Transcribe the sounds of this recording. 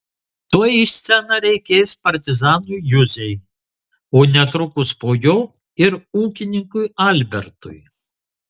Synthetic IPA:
t̪oːjisʲt̪sʲɛnɐɾʲɛɪkʲeːspɐɾʲt̪ʲɪzɑːnujjʊzʲɛj | oːnʲɛt̪ɾʊkʊspoːjoː | ɪɾuːkʲɪnʲɪŋkʊjɑlʲbʲɛɾt̪ʊ̰j

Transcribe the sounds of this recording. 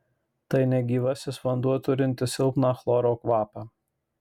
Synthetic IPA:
t̪ɐɪnʲɛɡʲiːʋɐsʲɪsʋɐnd̪uɔjt̪ʊɾʲɪnʲt̪ʲɪsʲɪlˠpnɑːxlˠɔɾoːkʋɑːpɑː

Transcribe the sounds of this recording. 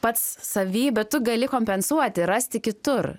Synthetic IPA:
pɐt̪ssɐʋʲiːbʲɛt̪t̪ʊɡɐlʲɪkoːmʲpʲɛnsuɔt̪ʲɪɾɑsʲt̪ʲɪkʲɪt̪ʊr

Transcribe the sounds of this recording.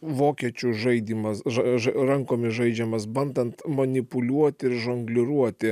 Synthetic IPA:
ʋoːkʲiɛt͡ʃʲʊʒɐɪd̪ʲiːmɐsɐʒɐɾɐŋkoːmʲɪsʒɐɪd͡ʒʲɛmɐsbɐnd̪ɐnt̪mɐnʲɪpʊlʲuɔt̪ʲɪɪɾʒɐŋɡlʲɪɾuɔt̪ʲɪ

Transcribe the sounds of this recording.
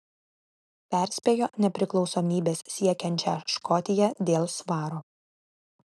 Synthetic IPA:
pʲɛˑɾʲsʲpʲeːjoːnʲɛpʲɾʲɪklˠɒʊsomʲiːbʲeːsːʲiɛkʲɛnʲt͡ʃʲɛ̰ʃkɔt̪ʲɪjɛd̪ʲeːlˠsʋɑːɾoː

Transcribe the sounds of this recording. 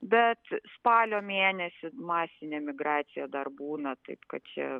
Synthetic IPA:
bʲɛt̪spɑːlʲoːmʲeːnʲɛsʲɪmɑːsʲɪnʲɛmʲɪɡɾɑːt̪sʲɪjɛd̪ɐrbuːnɐt̪ɐɪpkɐt̪̚t͡ʃʲɛ̰

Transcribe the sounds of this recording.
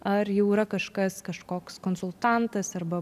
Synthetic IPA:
ɐɾjɛʊiɾɐkɐʃkɐskɐʃkoːkskonsʊlˠt̪ɑnt̪ɐsɐɾbɐ

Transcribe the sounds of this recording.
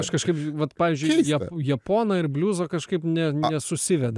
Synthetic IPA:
ɐʃkɐʃkɐɪpʋɐt̪pɑːʋʲiːzʲd͡ʒʲʊɪjɛjɛpoːnɐɪɾbʲlʲuːzoːkɐʃkɐɪpnʲɛnʲɛsʊsʲɪʋʲɛd̪ɐ

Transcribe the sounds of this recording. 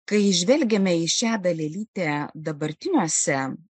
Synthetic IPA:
kɐɪɪʒʲʋʲɛlʲɡʲɛmʲɛɪʃʲæːd̪ɐlʲɛlʲiːt̪ʲeːd̪ɐbɐɾʲt̪ʲɪnʲuɔsʲɛ

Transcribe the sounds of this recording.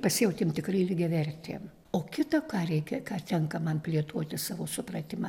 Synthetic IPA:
pɐsʲɪjɛʊt̪ʲeːmt̪ʲɪkrɐɪlʲɪɡʲɛʋʲɛrʲt̪ʲḛm | oːkʲɪt̪ɐkɑːɾʲɛɪkʲɛkɑːt̪ʲɛŋkɐmɐnpʲlʲiɛt̪uɔt̪ʲɪsɑːʋoːsʊprɐt̪ʲɪmɐ

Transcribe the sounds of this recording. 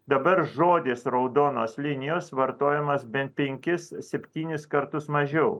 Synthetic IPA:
d̪ɐbɐɾʒoːd̪ʲɪːsɾɐʊd̪oːnoːslʲɪnʲɪjoːsʋɐɾt̪oːjɛmɐsbʲɛnt̪̚pʲɛŋʲkʲɪssʲɛpʲt̪ʲiːnʲɪskɐɾt̪ʊsmɐʒʲɛʊ

